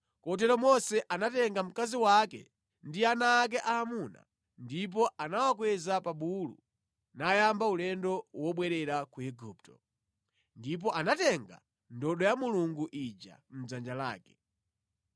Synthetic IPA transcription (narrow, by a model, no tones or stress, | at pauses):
kɔt̬ɛɾɔmɔsɛʔanatɛŋɡam̩kaziwakɛ̰ | ndianaːk̬ɛʔaːmuna̰ | ndip̬ɔʔanawak̬wɛzapaɓulṵ | najambaulɛndɔwɔɓwɛɾɛɾakuɛɡuptɔ̥ | ndip̬ɔʔanatɛŋɡa̰ | ndɔɗɔjamuluŋɡuʔid͡ʒa̰m̩d͡zand͡ʒala̰ːkɛ̥